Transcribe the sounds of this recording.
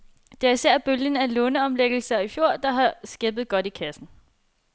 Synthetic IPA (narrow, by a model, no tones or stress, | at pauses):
d̥e̝æɐisæɐ̰b̥øljən̩ælɔːnəɒ̽mleɡ̥l̩sɐifjo̝ɐ̰d̥ɑ̈ɦɑ̈sɡ̥eb̥ð̞̩ˠɡ̥ɒ̽d̥ikʰæsn̩